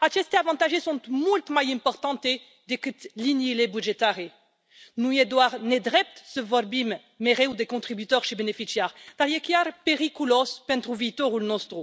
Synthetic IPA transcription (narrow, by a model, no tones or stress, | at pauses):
at͡ʃ̪ɛst̪eavɑ̃t̪aʒesɔ̃t̪mɔlt̪majɛ̃pɔʁt̪ɑ̃t̪e | d̪ekət̪linilebyʒet̪aʁe | nued̪waʁned̪ʁɛp̚t̪səvɔɾbimː | eʁeud̪ekɔ̃t̪χibyt̪œʁʃebenefisjɛʁt̪aʁjekjaɾpeʁikylɔspɛ̃nt̪ʁuvit̪ɔʁulnɔ̃st̪ʁu